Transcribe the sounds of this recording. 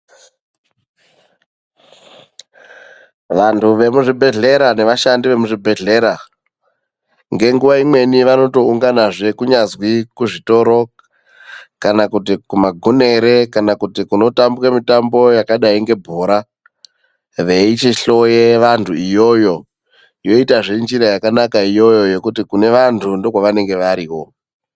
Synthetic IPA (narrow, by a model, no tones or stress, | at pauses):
ʋantʰuʋe̞muʐibʱe̞ɮe̞ɾane̞ʋaʃandiʋe̞muʐibʱe̞ɮe̞ɾa | ŋɡe̞ŋɡuʋaimwe̞niʋano̞to̞uŋɡanaʐe̞kuɲazwikuʐito̞ɾo̞ | kanakutikumaɡʱune̞ɾe̞kanakutikuno̞tambwamitambo̞jakaɗaiŋɡe̞bʱoːɾa | ʋe̞it͡ʃiɬo̞jeʋantʰuijo̞jo̞ | jo̞itaʐend͡ʒiɾajakanakaijo̞jo̞je̞kutikune̞ʋantʰundo̞kwaʋane̞ŋɡe̞ʋaɾiːwo̞